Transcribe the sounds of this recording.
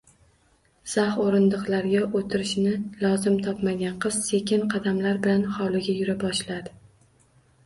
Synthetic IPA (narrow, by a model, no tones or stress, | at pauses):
z̥ahoɾɪnd̪ɨqlˠaɾɡʲaʔot̪ʰɪɾɪʃnɪlˠɒzɪmt̪ʰɒpmaɡʲanqʰɨz̥se̞kʲʰɪnqʰɑd̪amlaɾbɪlanhɒlˠɪɡʲajʊɾabɒʃlad̪ɪ